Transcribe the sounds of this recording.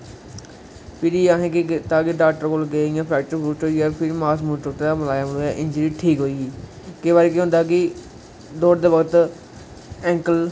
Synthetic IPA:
pʰɪɾiaːɦẽːkɪt̪aːkɪɖaːk̚ʈəɾkoːlɡeːɪjãːpʰɾɛːkʈəɾpuːʈoːiaːpʰɪɾmaːsmuːʈoːʈ̪ed̪aːməlaːjaːməloːjaːʔɪnd͡ʒəɾiːʈʰiːkɦoːiːɡiː | keːʋaːɾek̬eɦʊ̃nd̪aːk̬ɪ | d̪oːɾd̪eːʋəɡət̪ | ɛ̃ːŋkəl

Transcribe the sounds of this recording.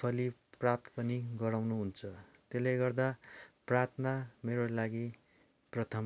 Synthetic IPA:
pʰʌliprap̚t̪pʌniɡʌɾawnuɦunt͡sʰʌt̪elejɡʌrd̪aprat̪ʰnameɾolaɡi | prʌt̪ʰʌm

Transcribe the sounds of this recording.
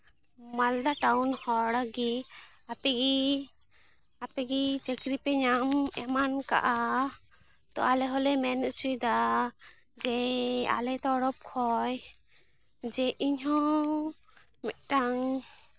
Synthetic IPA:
mald̪aʈawnhɔɽaɡi | apɛɡi | apɛɡit͡ʃɛkɾipɛɲamɛmanka̰ʔa | t̪ɔ̰alɛɦɔlɛmɛnut͡ʃʰujd̪a | d͡ʒɛa̰lɛt̪ɔɽɔp̚kʰɔj | d͡ʒɛʔiɲɦɔ̃ | mɛt̪̚ˀʈaŋ

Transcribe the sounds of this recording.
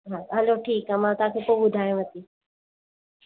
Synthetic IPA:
ɦãɦɐloʈʰiːkamãt̪oãkʰekoːbʊd̪ʱaːjũʋət̪iː

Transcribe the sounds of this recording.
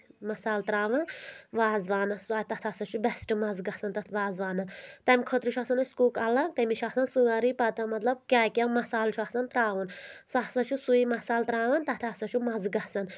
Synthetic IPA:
mɐsaːlt̪ɾaːʋɐnʋaːzʋaːnɐszat̪ɐt̪ʰɐsɐt͡ʃʰubɛsʈɨmɐzɡɐsɐnt̪ɐt̪ʰʋaːzʋaːnɐt̪ɐmikʰət̪ɾuʃʰasɐnɐskuːkɐlɐɡ̚t̪ɐmiʃʰasɐnsɨaɾipɐt̪ɐmɐt̪lɐb̚kʲaːkʲamɐsaːlt͡ʃʰuasɐnt̪ɾaːʋunsasɐt͡ʃʰusuimɐsaːlt̪ɾaːʋɐnt̪ɐt̪ʰɐsɐt͡ʃʰumɐzɡɐsɐn

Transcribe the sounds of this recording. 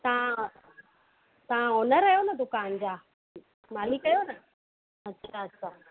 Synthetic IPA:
t̪ã | t̪ãɔnaɾajɔnat̪ukand͡ʒa | malikajɔna | mat͡ʃiat͡sa

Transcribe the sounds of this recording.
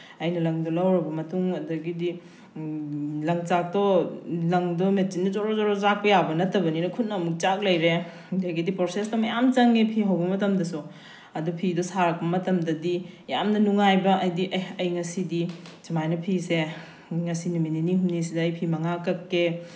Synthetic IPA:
ɐjnɐlɐŋdɔlɐwɾɐbɐmɐtuŋɐdɐɡidi | lɐŋt͡ʃak̚tɔlɐŋdɔmet͡ʃindɐd͡ʒɔɾɔzɔɾɔzak̚pɐjabɐnɐtɐbɐninɐkʰut̚nɐɐmuk̚t͡ʃak̚lɐjɾe | dɡidipɾosestɐmɐjamt͡ʃɐŋepʰiɦɐwbɐmɐtɐmdɐsu | ɐdupʰidɔsaɾɐk̚pɐmɐtɐmdɐdija̰mnɐnuŋajbɐʔɐjdiʔɐjɐjŋɐsidit͡ʃimajnɐpʰise | ŋɐsinumininihumnis̬idɐɐjpʰimɐŋakɐkːe

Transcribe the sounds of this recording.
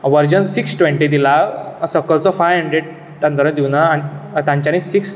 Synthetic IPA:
ʋəɾd͡ʑənsiksʈʋẽɳʈid̪ilasəkːəlt͡sɔfajʋɦəɳɖɾeɖ | t̪ãnt̪əɾə̃d̪iwnaañit̪ãɲt͡ɕanisiks

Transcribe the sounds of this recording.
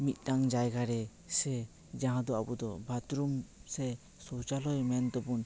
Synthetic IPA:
mit̪̚ˀnaŋd͡ʒajɡaɾɛ | sɛ | d͡ʒaɦãd̪ɔa̰bud̪ɔbʱat̪ɾumsɛ | sɔwt͡ʃalɔjmɛnd̪ɔbɔn

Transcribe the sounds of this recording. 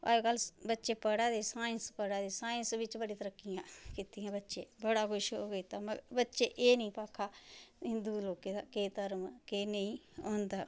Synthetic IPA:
a̰ːkəlbətːʃeːpəɽaːd̪eːsaːɪnspəɽaːd̪eːsaːɪnsʋɪt͡ʃbəɽĩːt̪əɾəkːɪjãːkiːt̪iãːbətːʃeːbəɽaːkʰʊʃɦoːɡiːt̪aməɡbətːʃeːʔeːnəĩːpaːkʰːaːɪnd̪uːloːkeːd̪aːkeːt̪əɾmkeːnəĩːõːnd̪aː

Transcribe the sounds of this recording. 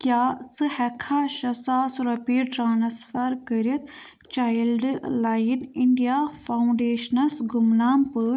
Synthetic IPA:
kʲjaːt͡sɨhɛkʰaʃɐsaːsɾɐpiɾʈɾaːnsfɐɾkəɾit̪ | t͡ʃaːjlɖlaːjiniɳɖijaːfʰauɳɖeːʃnɐsɡumnaːmpəɾ

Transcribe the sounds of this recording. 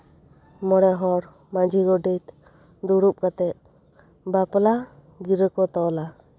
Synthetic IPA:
mɔɽɛɦɔɾ | mad͡ʒʱiɡɔɖit̪ | d̪uɽup̚kat̪ɛt̪̚ | bapɔla | ɡiɾəkɔt̪ɔla

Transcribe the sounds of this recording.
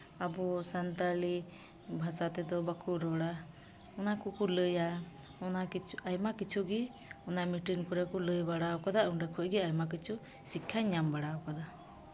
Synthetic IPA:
abɔsant̪ali | bʱasat̪ɛd̪ɔbakʰuɾɔɽa | ɔnakukuləja | ɔnakiajmakit͡ʃʰuɡi | ɔnamiʈinkɔɾakuləjbaɽaɔkad̪aʔuɳɖakʰɔɡɛajmak̬it͡ʃʰu | sikʰːaɲambaɽaɔkad̪a

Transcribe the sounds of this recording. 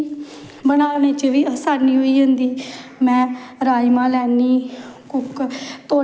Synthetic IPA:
bənaːneːt͡ʃəʋiːsaːniːɦoːiːɦʊ̃nd̪iːmɛ̃ːɾaːiːmãːlɛːniːkʊkt̪oː

